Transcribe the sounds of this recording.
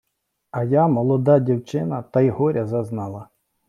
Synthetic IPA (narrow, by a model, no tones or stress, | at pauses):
ɐjamɔlˠɔd̪ɑdʲiwt͡ʃɪnɐt̪ɐjɦɔɾʲɐzɐznɑlˠɐ